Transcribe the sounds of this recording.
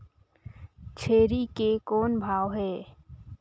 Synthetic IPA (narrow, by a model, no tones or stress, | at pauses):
t͡ʃʰeːɾikekɔːnbʱaːwɦɛː